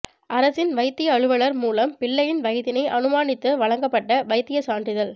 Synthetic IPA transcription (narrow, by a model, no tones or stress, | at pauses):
ʔɐɾɐsɪnʋɐɪt̪ːɪjɐːɻɯʋɐɭɐɾmuːlɐmpɪɭːɐjɪnʋɐjɪðɪnɐɪʔɐnɯmaːnɪt̪ːɯʋɐɭɐŋɡɐpːɐʈːɐʋɐɪt̪ːɪjɐsaːndrɪðɐl